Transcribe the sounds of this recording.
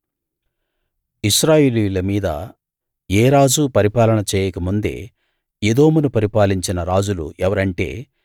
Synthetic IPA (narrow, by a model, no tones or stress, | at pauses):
iʃɾaːjeːlijulɐmiːd̪ɐ̰ | eːɾaːd͡ʒupɐɾipaːlɐɳɐt͡ʃɛːjɐkɐmund̪e̞̰ː | ed̪o̞ːmunupɐɾipaːliɲt͡ʃinɐɾaːd͡ʒulṵʔɛʋɐɾɐɳʈe̞̰ː